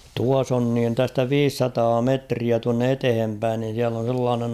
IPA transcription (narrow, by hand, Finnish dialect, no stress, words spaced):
tuɑs on niːn tæstæ ʋiːsːɑtɑː metriæ tuɑnːe etehem pæin niːn̞ siæl on̞ selːɑːnen